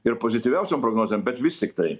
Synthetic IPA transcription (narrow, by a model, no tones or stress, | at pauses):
ɪɾpozʲɪt̪ʲɪʋʲɛʊsʲompɾoɡnoːzʲɛmbʲɛt̪ʋʲɪst̪ʲɪkt̪ɐɪ